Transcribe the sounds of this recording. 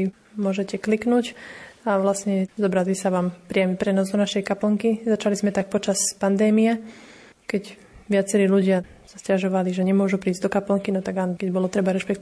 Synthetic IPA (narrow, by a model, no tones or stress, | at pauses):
mʊɔʒɛcɛkliknuːcaʋlasɲɛzɔbɾazisaʋaːmpɾɪamipɾɛnɔzd̪ɔnaʃɛjkapl̩ŋkizat͡ʃalizmɛt̪ak̚pɔt͡ʃaspand̪ɛːmijɛ | kɛɟ | ʋɪat͡sɛɾiːluɟɪa | sascaʒɔʋaliʒɛɲɛmʊɔʒupɾiːzʲd̪ɔkapl̩ŋkinɔt̪aɡankɛɟbɔlɔt̪ɾɛbaɾɛʃpɛkt̪